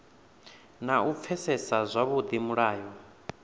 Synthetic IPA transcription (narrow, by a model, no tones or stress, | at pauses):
naup̪fʰɛsɛsazʷaβud̪imuɺaːjɔ